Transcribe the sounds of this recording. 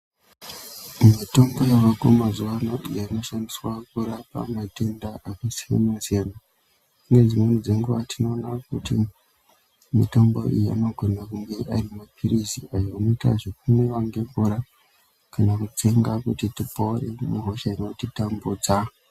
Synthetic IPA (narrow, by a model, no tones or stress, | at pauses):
mito̞mbo̞jawakomazuʋano̞ijaino̞ʃandiswakuɾapa̰matendaakasija̰nasiana | uŋɡe̞d͡zimwenid͡ze̞ŋɡuʋatʰino̞ːnakuti | mito̞mbo̞̰ḭjia̰noɡʱo̞nakuŋɡe̞ʔarimapʰiriziajoanoita̰ʐek̚umwewaŋɡe̞ɱvuɾa | kanakut͡seŋɡakutitipourḛmuɦoʃaino̞titambuːd͡za